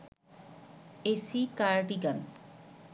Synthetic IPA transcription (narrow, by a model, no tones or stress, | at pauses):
esikaɹʈiɡan